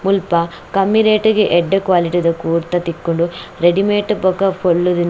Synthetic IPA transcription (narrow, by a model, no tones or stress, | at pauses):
mulpɐ | kɐmːiɾeːʈiɡeʔeɖːɐkʋaːliʈid̪ɐkuːɾt̪ːɐt̪ikːoɳɖuɾeɖimeːʈbɐkɐpʰoɭːud̪in